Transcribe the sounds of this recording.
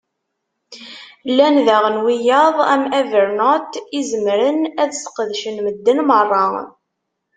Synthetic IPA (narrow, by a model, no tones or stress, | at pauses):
lːænðæʁənwijɑðˤæmævəɾnot̪izəmɾənæðsə̥qðʃənməd̪ːənmərˤːɑ